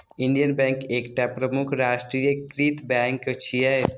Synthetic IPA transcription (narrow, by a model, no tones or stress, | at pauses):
inɖijənbɛ̃ŋkeːkʈapɾəmukʰɾasʈɾijəkɾit̪bɛŋkːot͡ʃʰijaɦe